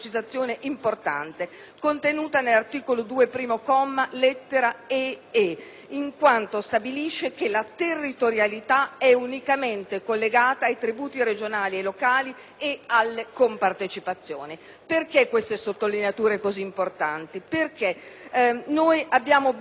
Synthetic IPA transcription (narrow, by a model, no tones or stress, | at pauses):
t͡ʃizat̪sːjoːneʔimport̪a̰nt̪e | kont̪enuːt̪anelːart̪iːkolod̪uːepɾiːmokɔmːalɛt̪ːeɾaee | iŋkwant̪ost̪abiliʃːek̟elat̪erːit̪oɾjalit̪aɛunikament̪ekolːeɡaːt̪aːjt̪ɾibuːt̪iɾed͡ʒonaːlielːokaːli | ealːekompart̪et͡ʃipat̪sːjoːni | perkekːwest̪esot̪ːolineat̪uːɾekoziːmport̪ant̪iperke | nojʔabːjaːmo